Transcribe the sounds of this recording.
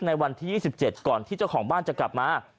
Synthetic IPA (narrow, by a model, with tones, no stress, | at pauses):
na˧jwa˧nt̪ʰiː˥˩iː˥˩si˨˩p̚t͡ɕe˨˩t̪̚kɔː˨˩nt̪ʰiː˥˩t͡ɕa˥˩wkʰɔː˩˦ŋbaː˥˩nt͡ɕa˨˩kla˨˩p̚maː˧